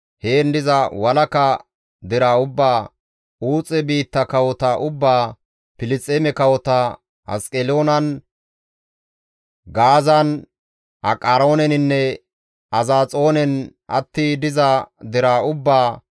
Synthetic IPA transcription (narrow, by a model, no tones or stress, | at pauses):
heːnd̪ɪzɐwɐlɐkɐ | d̪ɪɾaːʊbːaː | uːt͡sʼɛbiːt̪ːɐkɐwɔt̪ɐʔʊbːaː | pɪlɪt͡sʼːemɛkɐwɔt̪ɐ | ɐ̰skʼɛlo̞ːnɐn | ɡaːzɐn | ʔɐ̰kʼaɾo̞ːnɛnɪnːɛ | ʔɐzaːt͡sʼo̞ːnɛnʔɐ̰t̪ːiːd̪ɪzɐd̪ɪɾaːʊbːaː